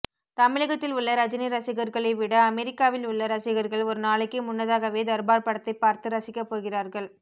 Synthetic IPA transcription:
t̪ɐmɪɭɐɣɐt̪ːɪlʊɭːɐɾɐd͡ʒɪniɾɐsɪɣɐɾɣɐɭɐɪʋɪɽɐɐmɛɾɪkːaːʋɪlʊɭːɐɾɐsɪɣɐɾɣɐɭɔɾɯnaːɭɐkːɯmʊnːɐðaːɣɐʋeːd̪ɐɾbaːɾpɐɽɐt̪ːɐɪpaːɾt̪ɯɾɐsɪkːɐpːoːɣɪraːɾɣɐɭ

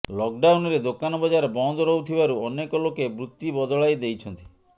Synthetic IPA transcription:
lɔk̚ɖawnɔɾed̪okanɔbɔd͡ʒaɾebɔnd̪ʱɔɾɔut̪ʰibaɾuɔnekɔlokebɾut̪ːibɔd̪ɔɭajd̪ejt͡ʃʰɔnt̪i̥

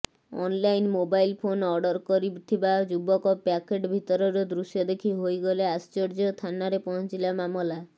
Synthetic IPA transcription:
ɔ̰nlajnmobajlpʰonɔɾɖɔɾkɔɾit̪ʰibad͡ʒubɔkɔpakeʈbʱit̪ɔɾɔɾɔd̪ɾuʃjɔd̪ekʰiɦojɡɔleast͡ʃɔɾd͡ʒɔt̪ʰanaɾepɔɦnt͡ʃilamamɔla

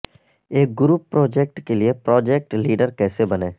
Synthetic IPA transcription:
eːk̚ɡʊɾuːpːɾɔːd͡ʒeːk̚ʈkeliepɾɔːd͡ʒeːk̚ʈliːɖəɾkɛːsebɐneː

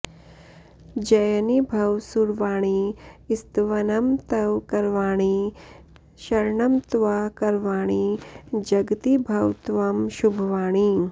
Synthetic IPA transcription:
d͡ʒɐjnibʱɐwsuɾʋaːɳ̃iɪst̪ʋɐnɐmt̪ɐwkɐɾʋaːɽ̃i | ʃɐɾɳɐmt̪ʋakɐɾʋaːɽ̃id͡ʒɐɡt̪ibʱɐwt̪ʋɐmʃubʱʋaːɽ̃i

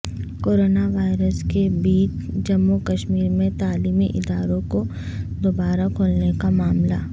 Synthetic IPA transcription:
koːɾoːnaʋaːɪɾəskebiːt͡ʃd͡ʒɐmːukɐʃmiːɾmẽt̪aːliːmḭʔɪd̪aːɾõko | d̪obaːɾakʰoːlnekamaːmla̰

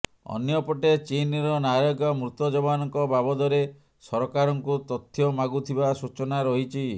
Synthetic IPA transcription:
ɔ̰njɔpɔʈet͡ʃinɾɔnaɾɔɡɔmɾut̪ɔd͡ʒɔbanɔŋkɔbabɔd̪ɔɾe | sɔɾɔkaɾɔŋkut̪ɔt̪ʰjɔmaɡut̪ʰibasut͡ʃɔnaɾɔɦit͡ʃʰi

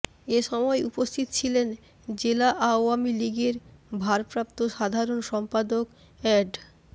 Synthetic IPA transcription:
eʃɔmɔeupost̪ʰit̪ot͡ɕʰilen | d͡ʑelaʔaoamiliɡeɾbʱaɾpɾap̚t̪oʃad̪ʱaɾonʃɔmpad̪ok | ɛɖ

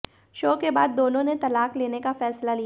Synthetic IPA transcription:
ʃoːkebaːd̪̚ːoːnõnet̪ɐlaːkleːnekafɛːslalija

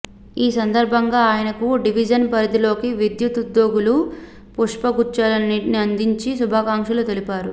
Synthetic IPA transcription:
iːsɐnd̪ɐɾbʱɐŋɡaːjɐnɐkuɖiʋid͡ʒɐnpɐɾid̪ilo̞ːkiʋid̪jut̪ud̪ːo̞ːɡulu | puʂpɐɡut͡ʃalɐniʈniɐnd̪iɲt͡ʃisubʱaːkaːŋkʂɐlut̪e̞lipaːɾu

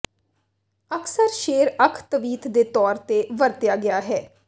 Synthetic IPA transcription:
əksəɾʃeːɾəkʰt̪əʋiːt̪ʰd̪eːt̪ɔːɾt̪eːʋəɾt̪ɪjaːɡɪjaːɦɛː

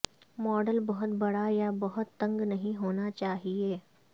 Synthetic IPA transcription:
mɔːɖəlbɐɦʊt̪bɐɽajabɐɦʊt̪ːɐ̃ŋɡnɐɦĩɦoːnat͡ʃaːɦieː

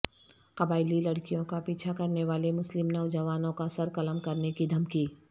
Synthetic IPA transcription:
kɐbaːɪlilɐɽkijõkapiːt͡ʃʰakɐɾneʋaːlemʊslɪmnɐʊd͡ʒɐʋaːnõkasɐɾkɐləmkɐɾnekid̪ʱɐmkiː

